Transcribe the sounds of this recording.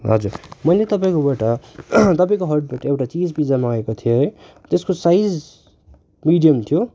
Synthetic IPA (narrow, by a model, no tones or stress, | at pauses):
ɦʌ̰d͡zurmʌjlet̪ʌp̬aĩkobaʈʌt̪ʌpaĩkoɦʌrʈ̚baʈʌewʈat͡sid͡zpid͡zamaaekot̪ʰijoɦ | t̪eskosajd͡z | miɖijʌmt̪ʰijo